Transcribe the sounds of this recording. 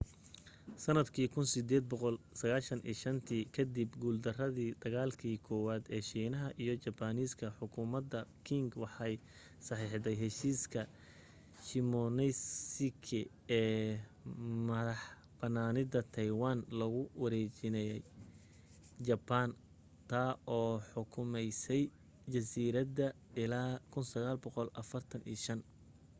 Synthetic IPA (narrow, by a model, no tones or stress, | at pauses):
sɐnɐd̪kʰiːkʰʊnsɪd̪ɛːd̪̚bɔqɔlsɐɣaːʃɐnʔḭːʃɐnt̪ʰiːkʰɐd̪ibɡuːld̪ɐrɐðiːd̪ɐɣaːlkʰiːkʰɔːwaːd̪ɛːʃiːnɐɦɐʔijɞt͡ʃɐbaniːskʰɐħʊkʰʊmɐd̪ɐkʰɪŋɡwɑħɑj | sɑħiːħd̪ɛjɦɛʃiːskʰɐ | ʃɪmɔnɛjsɪkʰɪ | ɛː | mɐðɐħ | b̥ɐnaːnɪd̪ɐt̪ʰɐjwaːnlɐɣʊwɐɾɛːt͡ʃɪnɛjɛj | d͡ʒɐban | t̪ʰaːɔːħʊkʰʊmɛjsɛj | d͡ʒɐsiːɾɐd̪ɐ | ɪlaːkʰʊnsɐɣaːlbɔqɔlʔɐfɐrt̪ʰɐnḭːʃɐn